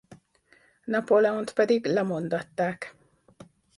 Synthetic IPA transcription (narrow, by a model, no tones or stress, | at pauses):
nɑpolɛunt̪pɛd̪iɡlɛmond̪ɒt̪ːaːk